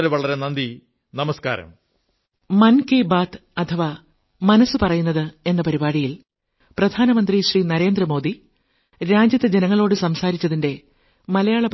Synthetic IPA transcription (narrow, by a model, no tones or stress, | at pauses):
ɾeʋɐɭɐɾenɐnd̪i | nɐmɐska̰ːɾɐ̰m | mɐnkebaːt̪ʰɐt̪ʰɐʋa | mɐnɐsːɨpɐrɐjunːɐðɨe̞nːɐpɐɾibaːɽijil | prɐd̪ʱaːnɐmɐnd̪riɕriːnɐɾe̞ːnd̪rɐmo̞ːd̪i | ɾaːd͡ʑjɐt̪ːed͡ʑenɐŋːɐɭo̞ːɽɨsɐmsaːɾit͡ɕːɐðinde̞ | mɐlɐjaːɭɐp